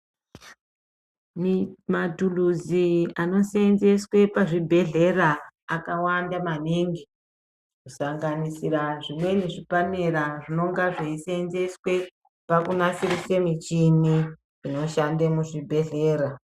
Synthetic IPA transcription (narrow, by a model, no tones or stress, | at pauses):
mmatuluziano̞senze̞swe̞paʐibʱe̞ɮe̞raːkawandamaniŋɡi | kusaŋɡanisiraʐimwe̞niʐipaneɾaʐino̞ŋɡaʐeisenze̞swe̞ | pakunafirisemit͡ʃini | ino̞ʃandemuʐibʱe̞ɮe̞ːɾa